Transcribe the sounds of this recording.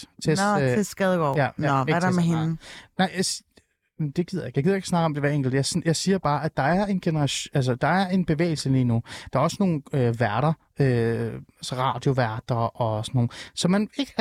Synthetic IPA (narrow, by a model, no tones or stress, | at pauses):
t͡sʰe̝esɡ̥ɛðˠɡ̥ɒ̰jææeɾameɦennɑɪ̰s | d̥e̝ɡ̥ið̰ˠjeɡ̥jaɡiðˠje̥snɑ̈ɡ̥əɒmd̥e̝ʋæɐḛŋɡ̥l̩d̥jɑɪsjɑ̈ɪsiːɐb̥ɑ̈ːʔæ̥d̥ɑ̈æɐe̝nɡ̥e̝nəʁɑɕæls̬ɐd̥ɑ̈æɐe̝nb̥e̝ʋḛːɪl̩səliːnud̥ɑ̈æɐɒ̽səno̝ːn̩øʋæɐɾ̥ɐ | øæsəʁɑ̰̈ːd̥jo̝ʋæɐd̥ɐʔɒ̽sɒno̝ːn̩sɒ̽mæneɡ̥